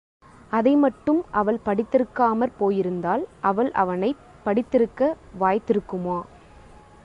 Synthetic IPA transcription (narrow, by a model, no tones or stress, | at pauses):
ʔɐðɐɪmɐʈːɯmʔɐʋɐɭpɐɽɪt̪ːɪɾɯkːaːmɐɾpoːjɪɾɯnd̪aːlʔɐʋɐɭʔɐ̰ʋɐnɐɪ | pɐɽɪt̪ːɪɾɯkːɐ | ʋaːjt̪ːɪɾɯkːɯmoː